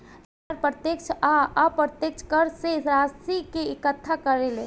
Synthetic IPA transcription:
d | ɐɾpɾət̪jəkt͡ʃʰaapɾət̪jək̚t͡ʃʰkəɾseɾaːstikeɪkət̪ʰːakəɾele

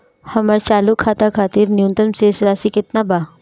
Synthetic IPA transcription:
hɐməɾt͡ʃaːlukʰːaːt̪akʰaːt̪iːɾnjũnt̪əmseɪsɾaːsikɪt̪nabaː

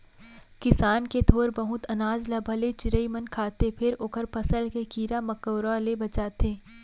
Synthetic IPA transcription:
kɪsaːnket̪ʰoːɾbɐɦʊt̪ɐnaːd͡ʒlabʱɐlet͡ʃɪɾəimənkʰaːt̪epʰɪɾoːkəɾpɐsəlkekiːɾamɐkəwɾalebɐt͡ʃaːt̪eː

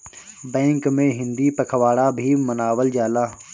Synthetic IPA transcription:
bɛ̃ːŋkmẽɦɪ̃nd̪ipɐkʰəʋaːɽabʱimənaːʋəld͡ʒaːlaː

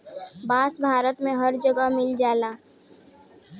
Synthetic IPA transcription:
bãːsbʱaːɾət̪mẽɦəɾd͡ʒəɡəɦmɪld͡ʒaːlaː

